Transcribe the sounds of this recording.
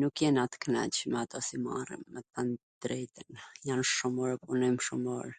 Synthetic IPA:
nukjɛnat̪knɛ̰t͡ɕmɛat̪ɔsima̰rḭmːɛt̪and̪̥ɾɛt̪ənjanʃumɔɾpunɔmʃumɔɾ

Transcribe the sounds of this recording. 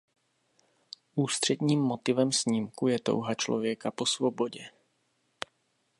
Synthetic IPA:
ʔuːst̪r̝̥ɛd̪ɲiːmːot̪ɪvɛmsɲimkujɛt̪o̞̰wɦat͡ʃlo̞̰vjɛkapo̞svobo̞ɟɛ

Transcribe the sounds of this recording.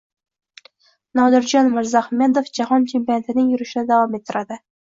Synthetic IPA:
nɒd̪ɪɾd͡ʒɒnmɪɾzahmed̪ofd͡ʒahɒntʰempient̪ʰɪnɪŋjʊɾɪʃɪnɪd̪avɒmet̪ʰːɪɾad̪ɪ

